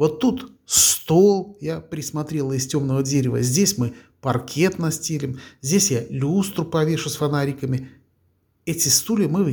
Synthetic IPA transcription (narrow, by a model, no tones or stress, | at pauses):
vo̞t̪ːut̪ | st̪olˠjapɾʲɪsmɐt̪ɾʲe̞lˠəɪstʲo̞mnəvədʲeɾʲɪvə̰zʲdʲesʲmɨ | pɐrkʲʰe̞t̪nɐsʲtʲelʲɪmzʲdʲesʲjalʲust̪ɾʊpɐvʲe̞ʂʊsfɐnaɾʲikəmʲɪ | ɛtʲɪst̪ulʲɪmɨ